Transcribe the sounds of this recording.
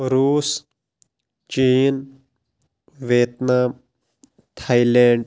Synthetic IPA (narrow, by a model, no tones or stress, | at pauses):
ɾuːs | t͡ʃiːn | ʋeːt̪naːm | t̪ʰaːileːɳɖ